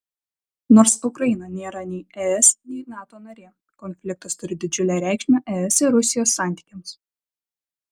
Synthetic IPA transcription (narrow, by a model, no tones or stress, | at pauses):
noːɾsʊkɾɐjɪnɐnʲeːɾɐnʲɛɪɛɛsnʲɛɪnɑːt̪oːnɐɾʲeː | kɔnʲfʲlʲɪk̚t̪ɐst̪ʊɾʲɪd̪ʲɪd͡ʒʲʊlʲæːɾʲæˑɪkʃʲmʲɛːʔɛɛsɪɾʊsʲɪjoːsːɑˑnʲt̪ʲi̥ːkʲɛms